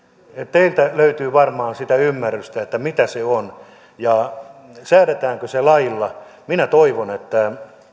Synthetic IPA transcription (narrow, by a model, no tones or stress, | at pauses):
ett̪eilt̪æløyt̪yːʋɑrmɑːnsit̪æymːærːyst̪æet̪ːæmit̪æseon | jɑ | sæːɾet̪æːŋkøselɑilːɑ | minæt̪oiʋonet̪ːæ